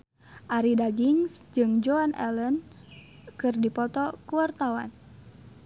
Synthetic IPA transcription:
ʔaɾidaɡiŋsd͡ʒɨŋd͡ʒoanʔɛ̰lən | kɨrdipɔt̪ɔkuwart̪awa̰n

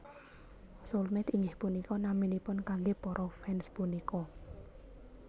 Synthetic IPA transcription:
solmɛt̪iŋɡɪhpunikɔnaminipʊnkaŋɡepɔɾʔɔfɛnspunikɔ

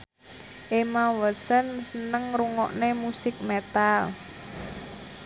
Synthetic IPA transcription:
ʔemawəsənsənəŋɾuŋɔ̰ʔnemusɪk̚met̪al

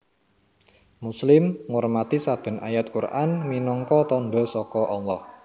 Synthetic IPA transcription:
muslɪmŋormat̪isab̥ə̤na̰jat̪̚kurʔanminɔŋkɔt̪ɔnɖɔ̤sɔkɔʔɔlːɔh

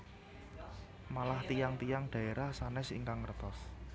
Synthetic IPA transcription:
malaht̪ijaŋt̪ijaŋɖ̪̥ä̤eɾahsanɛsḭŋkaŋːrət̪ɔs

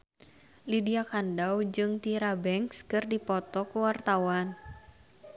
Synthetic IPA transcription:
lidiakandawd͡ʒɨŋt̪iɾabɛŋkskɨrdipɔt̪ɔkuwart̪awan

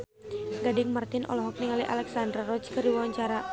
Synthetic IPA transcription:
ɡadɪŋmart̪ɪnʔɔ̰lɔɦɔk̚niŋaliʔa̰lɛksandrarɔt͡ʃkɨɾiwawaɲt͡ʃaɾa

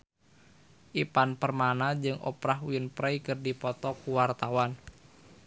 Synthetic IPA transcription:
ʔipanpərmanad͡ʒɨŋʔɔ̰pɾaɦuənpɾɛikɨrdipɔt̪ɔkuwart̪awan

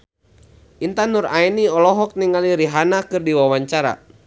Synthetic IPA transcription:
ʔint̪anuraɛniɔlɔɦɔk̚niŋaliɾiɦanakɨrdiwawaɲt͡ʃaɾa̰

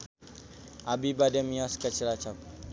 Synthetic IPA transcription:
ʔabibadɛmiaskat͡ʃəlat͡ʃak

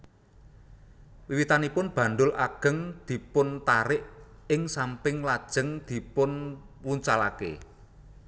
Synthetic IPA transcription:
wiwit̪anipʊnb̥ä̤nd̪ʊlʔaɡ̥ə̤ŋd̪̥i̤pʊnt̪aɾɪʔ | ɪŋsampɪŋlad̥ʒ̥ə̤ŋd̪̥i̤pʊn | wuɲt͡ʃalakḛ

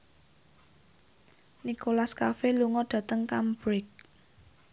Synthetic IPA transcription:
nikolaskafeluŋɔɖ̪̥ä̤t̪əŋkambɾɪk̚

